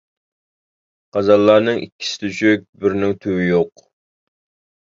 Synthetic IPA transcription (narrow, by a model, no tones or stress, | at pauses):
qɑzɑlˠːɑnɨŋʔikʲʰːi̥sɪ̥t̪ʰyt͡ʃʰøk̚ʲbɪɾnɪŋt̪ʰøwɪjoq